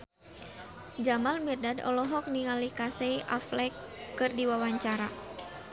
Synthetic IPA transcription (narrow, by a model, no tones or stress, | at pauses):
d͡ʒamalmirdadɔ̰lɔɦɔk̚niŋalikasejʔa̰flɛkːɨrdiwawaɲt͡ʃaɾa̰